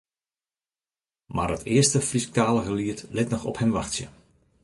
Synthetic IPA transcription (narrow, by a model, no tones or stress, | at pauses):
maːrətʰɪːəstəfrisk̚taːləɣəliətlɪtnɔxɔ̰phɛmʋaxtsjə̰